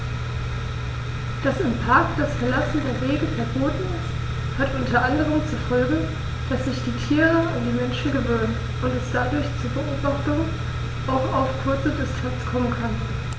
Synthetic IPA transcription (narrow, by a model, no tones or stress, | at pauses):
d̥asɪmpʰaɐkd̥asfɛɐlasn̩deːɐveːɡəfɛɐboːtn̩ɪst | hatʔʊntɐʔandəʁ̞əmt͡sufɔlɡə | d̥asz̥ɪçd̥iːtʰiːʁəandiːmɛnʃn̩ɡəvøːnən | ʔʊntɛsd̥adʊɐçt͡suɐbəʔoːbaχtʊŋ | ʔaʊxaʊfkʰʊɐt͡sədɪstʰant͡skʰɔmənkʰan